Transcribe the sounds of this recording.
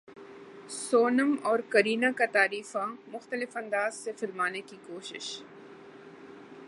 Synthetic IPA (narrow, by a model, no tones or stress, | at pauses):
soːnəmɔːɾkɐɾiːnakat̪aːɾiːfamʊxt̪əlɪfɐ̃nd̪aːzsefɪlmaːnekikoːʃɪ̰ʃ